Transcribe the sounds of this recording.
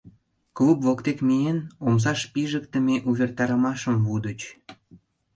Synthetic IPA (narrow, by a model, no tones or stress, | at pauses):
klupvokt̪ekmienoms̬ɑʃpiʒək̚t̪əmeʔuβʲert̪ɑɾəmɑʃəmvud̪ət͡ɕ